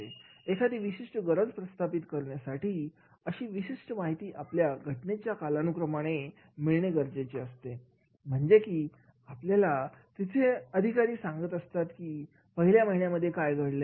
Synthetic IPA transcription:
eekʰat̪iːʋiɕiʂʈəɡəɾəd͡zpɾəst̪ʰapit̪kəɾɳjasaʈiː | əɕiːʋiɕiʂʈəmaɦit̪iːʔapljaɡʱəʈnet͡ɕjakalanukɾəmaɽ̃e | miɭɳeɡəɾd͡zet͡ɕeəst̪e | m̤əɳd͡ʑekiː | apljalat̪it̪ʰeəd̪ʱikaɾiːsãŋɡət̪əst̪at̪kiː | pəɦiljaməɦiɳjaməd̪ʱːjekajɡʱəɽle

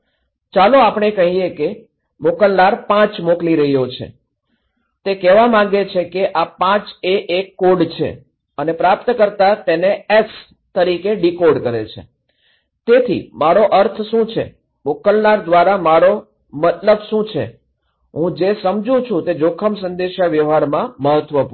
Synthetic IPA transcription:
t͡ʃaloapɳ̃ekəɦieke | mokəlnaɾpãt͡ʃmokliɾəɦijot͡ʃʰḛ | t̪ekɛʋamãɡet͡ʃʰekeʔapãt͡ʃeʔekːoɖt͡ʃʰḛ | ənepɾapt̪kəɾt̪at̪enees | t̪əɾikeɖikoɖkəɾḛt͡ʃʰḛ | t̪et̪ʰḭmaɾoʔəɾt̪ʰʃũt͡ʃʰḛ | mokəlnaɾd̪ʋaɾamaɾo | mət̪ləbʃũt͡ʃʰḛ | ɦũd͡ʒesəmd͡ʒũt͡ʃʰũt̪ed͡ʒokʰəmsə̃nd̪eʃaʋjəʋɦaɾmãməɦət̪ʋəpu

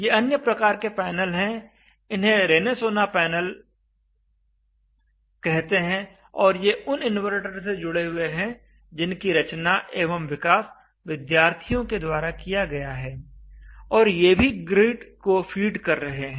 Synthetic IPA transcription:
jeɐnjəpɾɐkaːɾkepɛːnəlɦɛ̃ | ɪnɦẽɾeːnesoːnapɛːnəl | kɛɦt̪eɦɛ̃ | ɔːɾjeʊnɪnʋəɾʈəɾed͡ʒʊɽeɦʊeɦɛ̃ | d͡ʒɪnkiɾɐt͡ʃnaʔeːʋəmʋɪkaːs | ʋɪd̪jaːɾt̪ʰijõked̪waːɾakijaɡɐjaɦɛː | ɔːɾjeːbʱiɡɾiːʈkofʰiːɖkɐɾːɐɦeɦɛ̃ː

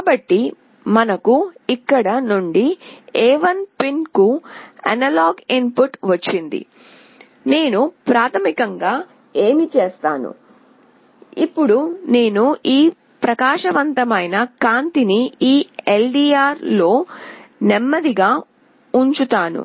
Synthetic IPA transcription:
kaːbɐʈːi | mɐnɐkuikːɐɽɐnuɳɖiɛːʋɐnpinkuɐ̰nɐlaːɡimpuʈʋɐt͡ʃːind̪ḭ | ne̞ːnupɾaːt̪ʰɐmikɐŋɡaː | e̞ːmit͡ʃe̞ːst̪aːnṵ | ipːuɽune̞ːnuʔiː | pɾɐkaːʂɐʋɐnt̪ɐmɐjnɐkaːnt̪iniiːelɖiaːɾlo̞ːnɛmːɐd̪iɡaː | uɲt͡ʃut̪aːnṵ

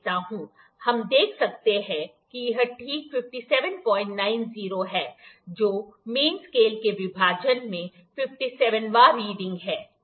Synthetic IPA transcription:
t̪aɦũː | hɐmd̪eːkʰsɐk̚t̪eɦɛ̃ | kijɪɦəʈʰiːkfɪfʈisɛːʋənpɔ̃ːɪ̃ɳʈnaːɪnziːɾoɦɛːd͡ʒoːmeːnskeːlkeʋɪbʱaːd͡ʒənmẽ | fɪfʈisɛːʋənʋaːɾiːɖɪ̃ŋɡɦɛː

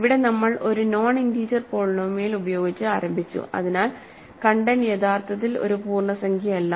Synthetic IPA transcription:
ʋiɽe̞nɐmːɐɭʔo̞ɾuno̞ːɳindiːd͡ʑɐrpoːɭnoʋmeːlubɐjo̞ːɡit͡ɕːɨaːɾɐmbʱit͡ɕːṵɐ̰ðinaːl | kɐɳɖɐnjet̪ʰaːrt̪ʰɐt̪̬ːilo̰ɾupuːrɳɐsɐŋɡʰʱjɐmelːɐ

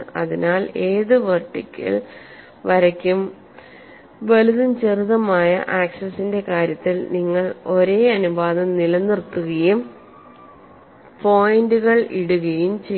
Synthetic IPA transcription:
ɐ̰ðinaːle̞ːðɨʋɐrʈːikʲːɐ̰ɭ | ʋɐɾɐkʲːum | ʋɐluðɐmt͡ɕeriðɐmaːjɐ̰ʔaːkʂɐsinde̞kaːɾjɐt̪ːilniŋːɐɭo̞ɾe̞ːɐnubaːðɐmnilɐnːirt̪ːuɣɐjum | po̞ːjnduɣɐɭḭɽuɣɐjumt͡ɕe

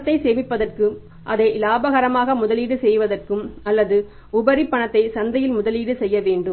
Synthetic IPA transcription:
t̪ːɐɪseːʋɪpːɐðɐrkɯ | ʔɐðɐɪlaːbɐɣɐɾɐmaːɣɐmʊðɐliːɽɯsɛjʋɐðɐrkɯmɐlːɐðɯ | ʊbɐɾɪpːɐɳɐt̪ːɐɪsɐnd̪ɐjɪlmʊðɐliːɽɯsɛjːɐʋeːɳɖɯm

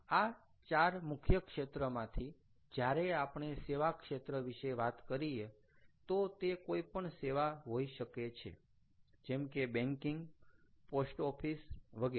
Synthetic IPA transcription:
a | t͡ʃaɾmʊkʰjəkʃet̪ɾəmãt̪ʰi | d͡ʒjaɾeapɳ̃eseʋakʃet̪ɾəʋiʃeʋat̪kəɾie | t̪ot̪ekoipəɳseʋaɦoiʃəket͡ʃʰḛ | d͡ʒɛmkebɛ̃ŋkiŋɡposʈɔpʰisʋəɡe

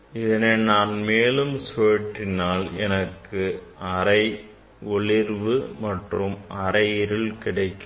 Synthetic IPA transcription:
ɪðɐneːnaːnmeːlɯmsoɐʈrɪnaːlɛnɐkːɯʔɐɾɐɪ | ɔɭɪɾʋɯmɐʈrɯmʔɐɾɐjɪɾɯlkɪɽɐɪkːɯ

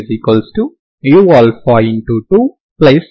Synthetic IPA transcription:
zikəlsʈu | juːɔːlfɔːɪ̃ɳʈuʈuː | pleːs

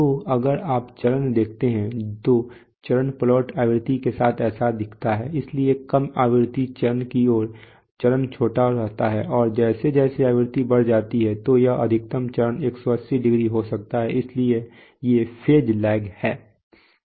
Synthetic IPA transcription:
t̪oːɐɡəɾaːpt͡ʃɐɾənd̪eːk̚ʰt̪eɦɛ̃t̪oː | t͡ʃɐɾənpəlɔːʈaːʋɪɾt̪ikesaːt̪ʰɛːsad̪ɪkʰt̪aɦɛːɪsliekɐmaːʋɪɾt̪it͡ʃɐɾənkioːɾ | t͡ʃɐɾənt͡ʃʰoːʈaɾɐɦt̪aɦɛːʔɔːɾd͡ʒɛːsed͡ʒɛːseaːʋɾɪt̪ibɐɽd͡ʒaːt̪iɦɛt̪ojaʔɐ̰d̪ʱɪk̚t̪əmt͡ʃɐɾəneːksɔɐsiɖɪɡɾiɦosɐk̚t̪aɦɛɪslie | jefʰeːd͡ʒlɛːɡhɛː

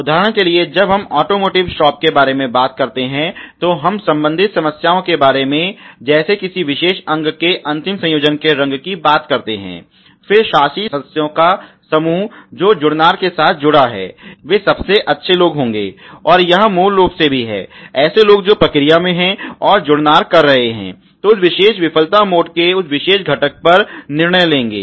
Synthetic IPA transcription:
ʊd̪ʱaːɦɾəɽ̃kelied͡ʒɐbɦɐmɔːʈoːmoːʈɪʋʃɔːp̚kebaːɾemẽbaːt̪kɐɾt̪eɦɛ̃t̪oɦɐmsɐ̃mbə̃nd̪ʱɪt̪sɐməsjaːõkebaːɾemẽd͡ʒɛːsekɪsiʋɪʃeːʃɐ̃ŋɡkeʔɐ̃nt̪ɪmsɐ̃joːd͡ʒənkeɾɐ̃ŋɡkibaːt̪kɐɾt̪eɦɛ̰̃ː | fɪɾʃaːʃisjõkasɐmuːɦd͡ʒoːd͡ʒʊɽnaːɾkesaːt̪̚ʰd͡ʒʊɽaɦɛ̰ːʋeːsɐbseʔɐtːʃʰeloːɡɦõːŋ̆ɡḛːɔːɾjɐɦmuːlːoːɡsebʱiɦɛ̰ːɛːseloːɡd͡ʒoːpɾɐkɾijamẽɦɛ̃ɔːɾd͡ʒʊɽnaːɾkɐɾːɐɦeɦɛ̰̃ː | t̪oʊsʋɪʃeːʃʋɪpʰəlt̪amoːɖkeʊsʋɪʃeːʃɡʱɐʈək̚pɐɾnɪɾɳəjlẽːŋɡḛː

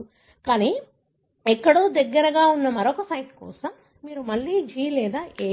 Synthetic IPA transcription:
kaːniː | ɛkːɐɽoːd̪ɐɡːɐɾɐɡaːunːɐmɐɾokɐsɐjʈkɔ̰ːsɐmː | iːɾumɐɭːiːd͡ʒiːlɛːd̪aːʔeː

